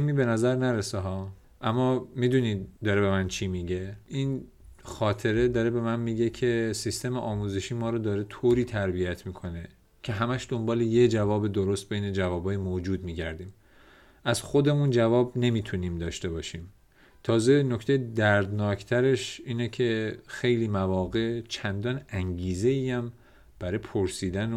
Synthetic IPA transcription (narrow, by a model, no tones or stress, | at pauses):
miːbe̞næzæɾnæɾeseɦɒː | ʔæmːɒːmiːd̪unid̪ɒːɾebe̞mænt͡ʃʰimiɟe̞ʔin | xɒːt̪ʰe̞ɾe̞d̪ɒːɾe̞be̞mænmiːɟe̞cʰe̞sist̪e̞meʔɒːmuzeʃiːmɒːɾɔːd̪ɒːɾe̞t̪ʰoːɾiːt̪ʰæɾbijæt̪ʰmiːkʰo̞ne | cʲʰe̞ɦæmæʃd̪o̞mbɒːlejed͡ʒævɒːbed̪oɾo̞st̪̚be̞jne̞d͡ʒævɒːbɒːjemod͡ʒuːd̪miːɟæɾd̪iːm | ʔæzxo̞d̪e̞mund͡ʒævɒːbne̞miːt̪ʰuniːmd̪ɒːʃt̪e̞bɒːʃiːm | t̪ʰɒːze̞no̞ct̪ejed̪æɾd̪nɒːcʰt̪ʰæɾe̞ʃiːnecʰe̞xe̞jliːmævɒːɣe̞ʔt͡ʃʰænd̪ɒːnæŋɟiːze̞iːæm | b̥æɾɒpʰoɾsiːd̪æn